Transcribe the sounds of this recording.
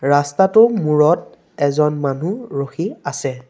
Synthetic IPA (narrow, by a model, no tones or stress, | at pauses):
ɹastatʊmuɹɔt̚ | ɛzɔnmanuɹoxiasɛ